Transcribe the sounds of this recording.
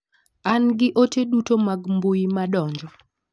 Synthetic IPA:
anɡɪʔotedutomaɡmbojimaɗɔɲd͡ʒɔ

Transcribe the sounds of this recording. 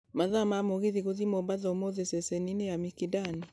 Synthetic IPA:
maðamamoɣiðiɣoðimɔbaðɔmoðesɛsɛninejamikidani

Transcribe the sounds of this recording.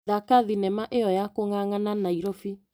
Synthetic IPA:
ðakaðinɛmaʔeɔjakoŋaŋananaiɾofi

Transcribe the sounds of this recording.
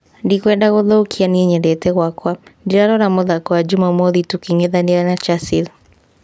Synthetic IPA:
ndikwɛndaɣɔðɔukʰianiɛɲɛdɛtɛɣwakwandiɾaɾɔɾamɔðakwad͡ʒumamɔðitukiŋɛðandiɾanat͡ʃasið

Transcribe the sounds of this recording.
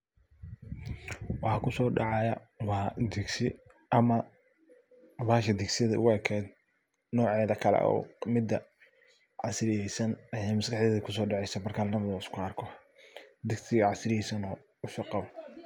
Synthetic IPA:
wɑħɑkʰʊsɔːɖɑʕɑjɐ | wɑːd̪ɛɡsɪ | ʔɐmɐ | βaːʃɐd̪ɛɡsɪðɐʔʊ̰ɣɛːkʰɛːd̪̚ | nɔːʕɛːðɐkʰɐlɛ̰ʔɔ̰mɪd̪ɐ | ʕɑsɾɪjɛjsɐnɐjɛjmɐskɑħdɛːðɐkʰʊsɔːɖɑʕɛjsɐbɐrkʰalnɐmɐðɔːɪskʰʊɐrkʰɔ | d̪ɛɡsɪɣɐʕɑsɾɪjɛjsɐnɔː | ʊsʊqɑβɔ

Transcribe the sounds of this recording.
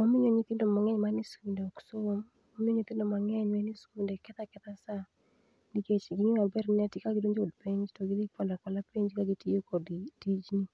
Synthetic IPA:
omɪɲoɲit̪ɪndomaŋɛɲmanɪskindeɔksoom | omɪɲoɲit̪ɪndomaŋɛɲwɛnɪskindɛkɛt̪akɛt̪asa | niket͡ʃɡiɲiwabɛɾnɛtɪkaɡɪdoɲd͡ʒodpeɲd͡ʒtɔɡɪdipɔlakɔlapeɲd͡ʒkaɡɪtiokɔdtid͡ʒni

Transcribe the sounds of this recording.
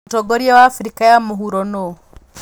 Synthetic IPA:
toɡoɾiawafɾikajamuɦuɾono

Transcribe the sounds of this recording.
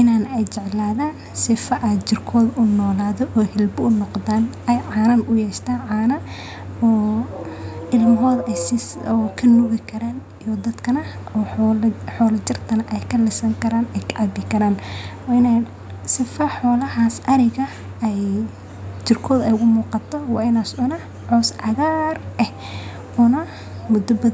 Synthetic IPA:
ʔɪnaːnɛjt͡ʃɛʕlaːðaːn | sɪfɐʔɛt͡ʃɪrkʰɔːðʊnɔːlaːðɔʔɔhɪlbʊʊnɔqðaːn | ɛjʕaːnɐnʔʊjɛːʃt̪ʰaːnʕaːnɐ | ɔː | ɪlmɦɔːðɛjsɪsɔːkʰɐnʊɣɪkʰɐɾaːn | ijɔd̪ɐd̪kʰɐnɐɔːħɔːlɐt͡ʃɪrt̪ʰɐnɐʔɛjkʰɐlɪsɐŋkʰɐɾaːnɛjkɑbɪkʰɐɾaːnwɑːɪnɛj | sɪfɐħɔːlɐɦaːsʔɐɾɪɣɐ | ɛj | t͡ʃɪrkʰɔːðɛjʊɣʊmuːqɑt̪ʰɔwɑ̰ːɪnaːsʊnɐ | ʕɔːsʕɑɣaːrʔɛh | ʊnɐ | mʊd̪ɐbɐ

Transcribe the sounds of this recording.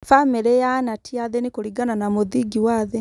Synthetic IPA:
fameɾɛjanatiaðɛnikoɾiɡananamoðiɡiwaðe

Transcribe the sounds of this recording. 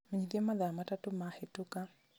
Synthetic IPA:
meɲiðiɛmaðamatatumahetuka

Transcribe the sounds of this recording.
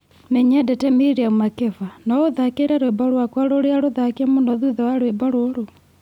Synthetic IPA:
mɛɲɛdɛtɛmiɾeaumakefanaoðakeɾɛɾwebɔɾwakwaɾoɾeaɾoðakiɛmondɔðuðɔwaɾwebɔɾoɾo

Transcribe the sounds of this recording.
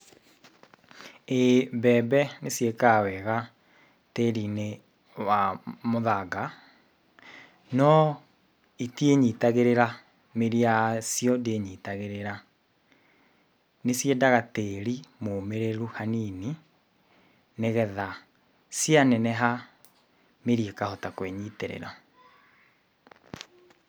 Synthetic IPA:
ebɛːbɛnesjekawɛɣa | teɾine | wamoðaɡa | nɔ | itieɲitaɣeɾeɾa | meɾiasjɔdeɲitaɣeɾeɾa | nesjedaɣateːɾimoːmeɾeɾuhaniːni | neɣɛða | sjanɛnɛɦa | meɾiekahɔtakweɲiːteɾḛɾa

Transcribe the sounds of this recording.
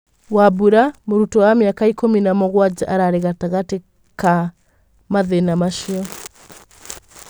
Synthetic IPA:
wabuɾamoɾutɔwameakaikominamɔɣwad͡ʒaʔaɾaɾeɣataɣate | ka | maðenamaʃiɔ

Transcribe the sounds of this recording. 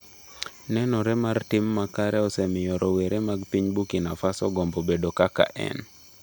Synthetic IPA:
nɛnɔɾɛmartɪmːakaɾɛɔsɛmɪjɔɾɔweɾʔemaɡpiɲbukinafasɔ̰ɡɔmbobedokaka̰ʔɛ̰n

